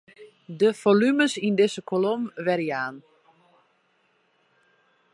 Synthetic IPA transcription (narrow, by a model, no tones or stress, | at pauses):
dəfolyməsindɪsəkʰolomʋɛɾjaːn